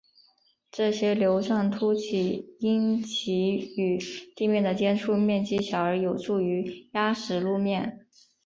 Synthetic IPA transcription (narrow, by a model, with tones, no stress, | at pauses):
ʈ͡ʂɤ˥˩ɕjɛ˥ljo˧˥ʊʂɑ˥˩ŋt̪ʰu˥t͡ɕʰi˨˩i˥ŋt͡ɕʰi˧˥y˨˩t̪i˥˧mjɛ˥˩nd̪ə˩t͡ɕjɛ˥nʈ͡ʂʰu˥˧mjɛ˥˩nt͡ɕi˥ɕjɑ˨˩ʊə˞˧˥jo˨˩ʊʈ͡ʂʰu˥˩y˧˥ja˥ʂɻ̩˨˧˩lu˥˧mjɛ˥˩n